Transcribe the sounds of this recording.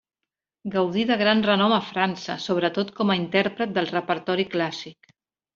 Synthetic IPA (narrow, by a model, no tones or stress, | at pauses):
ɡəwðiðəɣ̞ɾanrənɔməfɾansə̰soβɾət̪ot̪kɔməint̪ɛɾpɾət̪̚d̪əlˠrəpəɾt̪ɔɾiklasik